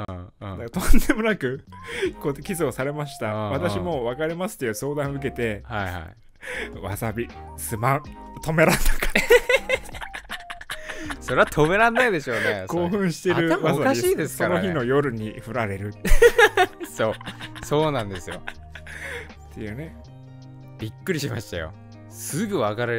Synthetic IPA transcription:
d̪at̪õ̞nd̪e̞mo̞nakɯ̟kokʲizo̞ːsaɾe̞maɕi̥t̪aβat̪aɕimo̞βakaɾʲimasɨ̥t̪ːejɯso̞ːd̪ãɯ̟k̬e̞t̪e̞haiha̰i | βa̰sabʲi | sɨmã | t̪o̞me̞ɾãnd̪akḁ | so̞ɾe̞βat̪ʰo̞me̞ɾãnːaid̪e̞ɕo̞ːneko̞ːɸɯ̟̃ɰ̃ɕi̥t̪e̞ɾɯ̟βaaaɕiːd̪esɨsokano̞çino̞jo̞ɾɯ̟ɲ̟iɸɯ̟ɾaɾe̞ɾɯ̟ː | so̞ːso̞ːnãnd̪e̞sɨjo̰ | t̪ʰːe̞̰jɯ̟ːne̞ | bʲikːɯ̟ɾʲiɕima̰ɕi̥t̪ajo̰ | sɨɡɯ̟βakaɾe

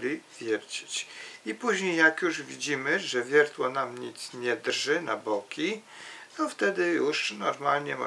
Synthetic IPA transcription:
lʲivʲjɛɾd͡ʑi̥t͡ɕipuʑɲejːjakjuʐvʲid͡ʑimɘʐɛvʲjɛɾt̪wɔnamɲit̪sɲɛd̪rʐɘna̰bɔkʲi | t̪ɔft̪ɛd̪ɘjuʂnɔɾmalɲɛmɔ

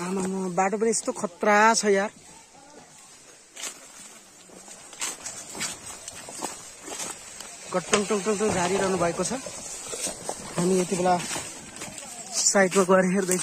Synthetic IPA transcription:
amamʌbaʈop̬ʌniest̪okʰʌt̪rat͡sʰʌjar | kʌʈːʌŋʈɔŋʈɔŋʈoŋd͡zaɾiɾʌɦnubʱʌekot͡sʰʌ | ɦamiet̪ibela | sajʈmakʌɾiɦeɾd̪ʌ

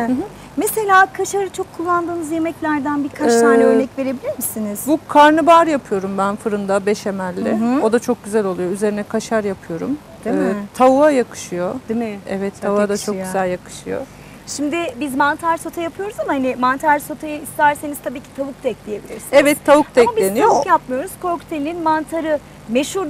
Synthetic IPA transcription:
ɦ | mese̞lʲaːkʰaʃaɾɯt͡ʃʰo̞kʰːulˠːand̪ɯːnɯzje̞mɛclʲæɾd̪ænbiɾkʰat͡ʃt̪ʰaːnʲɛøjʲɛcve̞ɾebilʲiɾmisiniz̥bukʰaɾnɯbaɾjapʰɯjo̞ɾumbænfɯɾɯnd̪abɛʃemælʲːɪo̞d̪at͡ʃʰo̞k̚ɟyzælʲo̞lˠujo̞yze̞ɾinɛkʰaʃaɾjapʰɯjo̞ɾṵmː | t̪ʰauajakʰɯ̥ʃɯjo̞d̪mɛɛvɛt̪ʰːavuad̪at͡ʃʰokɟyzælʲjakʰɯ̥ʃɯjo̰ | ʃimd̪ɪbizmant̪ʰaɾso̞t̪ʰajapʰɯjo̞ɾuzamahanɪmant̪ʰaɾso̞t̪ʰajɯist̪æɾsenizt̪ʰabiːcʰi̥t̪ʰavukd̪ɛclʲije̞bilʲiɾsinɛvɛt̪ʰːavuk̚d̪aɛmablʲenijojapmɯjo̞ɾuz̥kʰo̞ɾkt̪ʰelʲininmant̪ʰaɾɯ | me̞ʃuɾ

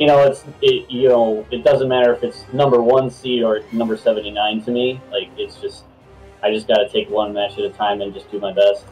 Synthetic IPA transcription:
jɨñoʊɨtsɪjɨnoʊɨt̚d̥ʌzɨ̃nmæɾə˞ɨfɨtsnʌ̃mbə˞wʌ̃nsiə˞ɨnʌ̃mbə˞sɛvɨ̃n̩tinãɪ̃ntʰɨmilaɪkɨtsd̥ʒ̥ʌst̚ | aɪd͡ʒʌsɡ̥ɑɾɨtʰeɪkwʌ̃nmæt͡ʃɨɾɨtʰãɪ̃mɨ̃nd͡ʒʌsd̥ɨmaɪbɛst̚

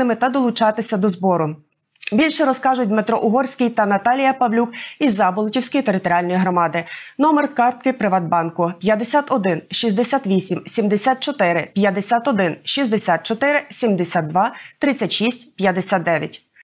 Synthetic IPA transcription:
ɪmɪt̪ɐd̪ɔlˠʊt͡ʃɑt̪ɪsʲɐd̪ɔzbɔɾʊ | bʲilʲʃɛɾɔskɑʒʊt̚ʲmet̪ɾɔʔʊɦɔrsʲkɪjt̪ɐnɐt̪ɑlʲijɐpɐwlʲukizɑbɔlˠtʲiwsʲkɪjt̪eɾɪt̪ɔɾʲiɑlʲnɔjiɦɾɔmɑd̪ɪnɔmɛrkɑrt̪̚kɪpɾɪʋɑd̪̚bɑnkʊpʲjɐd̪esʲat̪ɔd̪ɪnʃizd̪esʲat̪ʋʲisʲimsʲimd̪esʲat̪̚t͡ʃɔt̪ɪɾɪpʲjɐd̪esʲat̪ɔd̪ɪnʃizd̪esʲat̪̚t͡ʃɔt̪ɪɾɪsʲimd̪esʲad̪̚d̪ʋɑt̪ɾɪt͡sʲːɐtʲʃisʲtʲpʲjɐd̪esʲat̪ːɛʋʲjɐ̰tʲ

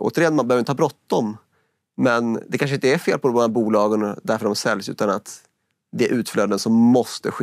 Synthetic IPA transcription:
ʔo̰ːt̪əɾɪjɛnmanbɛhøvɾɪnəhɑːbɾɔt̪ːdɔm | mɛnd̪ɛkʰanʂ̬əɪnt̪əæɾfeːlpʰɔd̪ɔmhæɾbuːlɑːɡənd̪æɾfœɾd̪ɔmasɛljsʉ̟̰ːt̪anat̪ | d̪ɛæɾʔʉ̟ːt̪fløːd̪ənsɔmːɔst̪əɧ

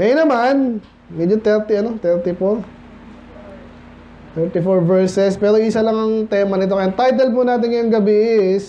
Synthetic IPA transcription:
ŋɐjʊnɐman | mɛd͡ʒot̪ɛɾt̪iɐno̞t̪ɛɹt̪ɪfoɾ | t̪ɛɹt̪ɪfoɹvɛɹsɛspɛːɾo̞ʔɪsɐlɐŋɐŋt̪ɛːmɐnɪt̪̬o̞kɐjɐnt̪ajt̪̬ɛlp̬unaːt̪̬ɪŋjʊŋɡɐbis

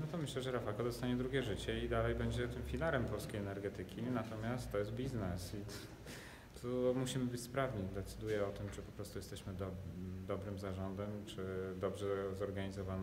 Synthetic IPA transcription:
nɔt̪ɔmɘɕlɛʐɛɾafakɔd̪ɔst̪aɲɛd̪ɾuɡʲjɛʐɘt͡ɕɛid̪alɛjbɛɲd͡ʑɛt̪ɘmfʲilaɾɛmpɔlskʲejɛnɛɾɡɛt̪ɘkʲinat̪ɔmʲjast̪ːɔjɛs̬t̪̚bʲiznɛsi | t̪ʰumuɕimɘbɘt͡ɕʲspɾavɲid̪ɛt̪sɘd̪ujɛɔt̪ɘmt͡ʂɘpɔpɾɔst̪ujɛst̪ɛɕmɘd̪ɔd̪ɔbɾɘmzaʐɔnd̪ɛmt͡ʂɘd̪ɔbʐɛzɔɾɡaɲizɔvan

